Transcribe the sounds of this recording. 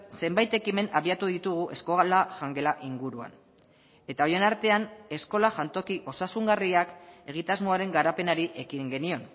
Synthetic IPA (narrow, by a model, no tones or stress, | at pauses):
se̞mbajt̪e̞kime̞naβiat̪uðit̪uɣ̞uʔe̞sko̞ɣlaʝaŋɡe̞laʔiŋɡuɾua̰n | e̞t̪ao̞je̞naɾt̪e̞ane̞sko̞laʝant̪o̞kiʔo̞sasuŋɡariake̞ɣ̞it̪azmo̞aɾe̞ŋɡaɾape̞naɾiʔe̞kiŋɡe̞nio̞n